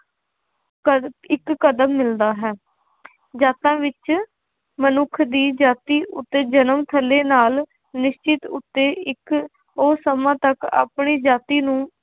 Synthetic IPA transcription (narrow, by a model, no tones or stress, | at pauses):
ɪkːəd̪əmːɪld̪aːɦɛː | d͡ʒaːt̪ãːʋɪt͡ʃ | mənʊkʰd̪iːd͡ʒaːt̪iːʔʊ̰t̪ːeːd͡ʒənəmt̪ʰəleːnaːl | nɪʃt͡ʃɪt̪ʊt̪ːeːɪk | oːsəmãːt̪əka̰ːpɳiːd͡ʒaːt̪iːnũː